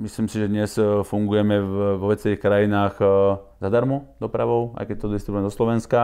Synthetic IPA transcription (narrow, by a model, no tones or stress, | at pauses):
misliːmsiʒɛd̪ɲɛsfuŋɡujɛmɛvʋɔʋɛt͡sɛʋiːxkɾajinaːɣ | zad̪aɾmud̪ɔpɾaʋɔʊʔa̰jkɛc̚t̪ɔd̪ist̪ɾibuɛmd̪ɔslɔʋɛnska